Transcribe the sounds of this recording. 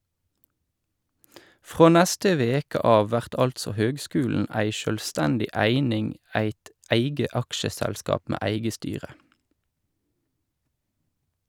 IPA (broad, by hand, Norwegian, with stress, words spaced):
ˈfʁoː ˈnɛstə ˈʋeːkə ˈɑːʋ ˈʋæʁt ˈɑltsɔ ˈhøːɡˌskʉːln̩ ˈæɪ ʃœlˈstɛndɪ ˈæɪnɪŋ ˈæɪt ˈæɪɡə ˈɑkʃəˌsɛlskɑːp ˈmeː ˈæɪɡə ˈstyːʁə